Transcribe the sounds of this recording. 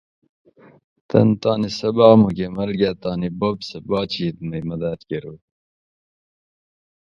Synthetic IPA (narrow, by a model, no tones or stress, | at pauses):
t̪ɐ̰nt̪ɑːnisɐbɑːmukemɐlɡat̪ɑːnibobsɐbɑːt͡ɕiːt̪̚mɐjmɐd̪aːt̪keɾu